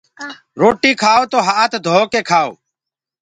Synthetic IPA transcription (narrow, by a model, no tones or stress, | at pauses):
ɾoːʈiːkʰaːoːt̪oːɦaːt̪d̪ʱoːkeːkʰaːo̰ː